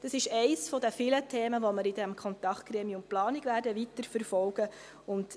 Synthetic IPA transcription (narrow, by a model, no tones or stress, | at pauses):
d̥ɑsɪʃɛɪsfɔdəfilətʰeːməʋɔməɾɪdɛmkʰχɔnt̪ɑkχtkɾeːmiʊntplɑːniɡʋæːɾdəʋitəɾfəɾfɔlɡə | ʊnd